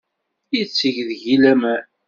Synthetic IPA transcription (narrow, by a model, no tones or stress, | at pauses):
it͡sːəʝðʝilæmæ